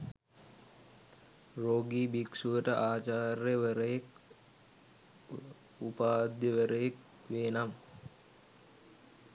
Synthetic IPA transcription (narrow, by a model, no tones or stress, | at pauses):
roːɡiːbiksuʋəʈəʔaːt͡ʃaːrjəʋəɾəjek | upaːd̪jəʋəɾəjek̚ | ʋeːnam